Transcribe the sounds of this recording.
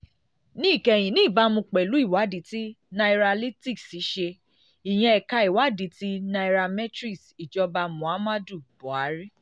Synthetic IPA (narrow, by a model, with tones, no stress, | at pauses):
nĩ˦i˦˨kɛ˧˨j̃ĩ˨nĩ˦˨ba˦mũ˧k͡pɛ˨lu˨˦i˦˨wa˨˦di˨˦ti˦ | na˧i˧ɾa˧li˦ti˦˨ksi˨˦ʃe˧ | i˨j̃ɛ̃˧ɛ˨ka˧i˨wa˨˦di˨ti˦na˧i˧ɾa˧mɛ˦tɾi˦˨si˨d͡ʒɔ˧ba˧mũ˨a˨˦mã˦du˦˨bɔ˨a˨˦ɾi˦